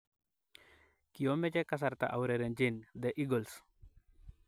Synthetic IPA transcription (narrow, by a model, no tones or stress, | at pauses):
kiomɛt͡ʃɛkas̬art̪a̰ʔawɾeɾend͡ʒind̪ɛʔiɡɔls